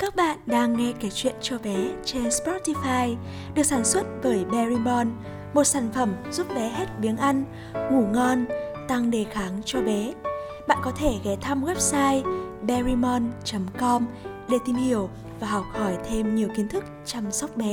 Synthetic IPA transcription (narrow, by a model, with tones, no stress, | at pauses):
kaː˦˥k̚ɓa̰ː˧˨nɗaː˧ŋːɛ˧ke˨˦t͡ɕwḭ˧˨ənt͡ɕɔ˧ɓɛ˨˦t͡ɕe˧nspɔ˦˥ti˧faː˧j | ɗɨ˨˩ək̚saː˧˩nswə˦˥t̚vəː˨˦jɓɛ˧ɹi˧mɔ˧n | mo˨˩t̚saː˧˩nfə˧˩mzu˦˥p̚ɓɛ˨˦ɦe˦˥t̚ɓi˨˦ənʔa˧jŋ̟ | ŋu˧˩ŋɔ˧nt̪a˧ŋɗe˨˩xaː˨˦ŋt͡ɕɔ˧ɓɛ˨˦ | ɓa̰ː˧˨nkɔ˨˦t̪ʰe˧˩ɣɛ˨˦t̪ʰa˧mɣwɛ˦˥p̚saː˧jɓɛ˧ɹi˧mɔ˧nt͡ɕə˨˦mkɔ˧m | ɗe˧˩t̪i˧mhi˧˩əw | vaː˨˩ɦɔ˨˩wk͡p̚hɔ˧˩jt̪ʰe˧mɲi˨˩əwki˨˦nt̪ʰɨ˦˥k̚t͡ɕa˧msa˦˥wk͡p̚ɓɛ˨˦